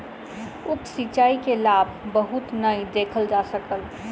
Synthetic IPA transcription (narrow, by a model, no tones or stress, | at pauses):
ʊksit͡ʃaːikelaːbʱbəɦʊt̪nəid̪eːkʰəld͡ʒasəkəl